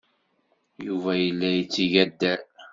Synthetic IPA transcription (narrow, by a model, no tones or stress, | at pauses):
juvæjəlːæjət͡sːiʝæd̪ːæl